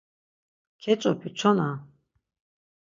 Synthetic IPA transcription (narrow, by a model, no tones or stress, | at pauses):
kʰɛt͡ʃʼɔpʰit͡ʃʰɔna